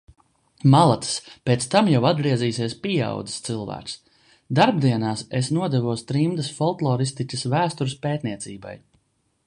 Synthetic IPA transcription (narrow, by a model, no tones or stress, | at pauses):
malˠat̪spʲet̪st̪amjawad̪̚ɡɾiɛziːsiɛspia̰wd̪i̥st̪sɨlˠvæ̰ːks | d̪aɾb̚d̪iɛnaːsesnuɔd̪ɛvuɔst̪ɾimd̪ɐsfɔlˠk̪lˠɔːɾist̪icʲɐsvæːst̪uɾspeːt̪niɛt̪siːba̰j